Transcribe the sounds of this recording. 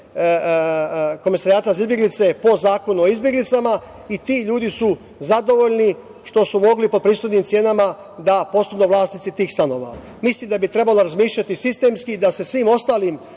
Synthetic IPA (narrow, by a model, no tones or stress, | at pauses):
ko̞misaɾiaːt̪aizizbjeɡlit̪se̞po̞zaːko̞nuoizbje̞ɡlit̪sama | it̪iːʎuːd̪isu | zad̪o̞ʋo̞ʎni | ʃt̪o̞sumo̞ɡlipo̞d̪pɾiːsxoj̪niːmt̪sje̞ːnama | d̪apo̞sonuʋlˠaːsnit̪sit̪iːxst̪ano̞̰ːʋa̰ | mislimd̪abit̪ɾe̞baloɾazmiːʃʎat̪isist̪e̞mskid̪ase̞sʋiːmo̞st̪aːlim